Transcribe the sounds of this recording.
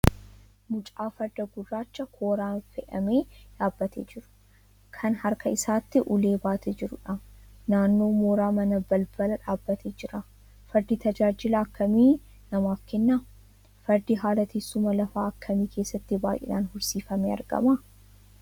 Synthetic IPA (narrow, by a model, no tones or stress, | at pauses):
mʊt͡ʃʼaːfɐɾd̪ɐɡʊrːaːt͡ʃːɐkʰoːɾaːnfɛʔɐmeːᶑaːbːɐt̪eːd͡ʒɪɾʊ̥ | kʰɐnhɐɾkɐɪsaːt̪ːɪʔʊle̞ːbaːt̪ʰeːd͡ʒɪɾʊᶑanaːnːo̞ːmoːɾaːmɐnɐbɐlbɐlɐᶑaːbːɐt̪ʰeːd͡ʒɪɾɐ | fɐɾd̪it̪ɐd͡ʒaːd͡ʒɪlaːkːɐmiː | nɐmaːfkɛnːa | fɐɾd̪iɦaːlɐt̪iːsːʊmɐlɐfaːɐkʰːɐmiːkʰe̞ːsːɐt̪ːɪbaːʔɛ̰naːnhʊɾsiːfɐmeːɐ̰ɾɡɐ̰ma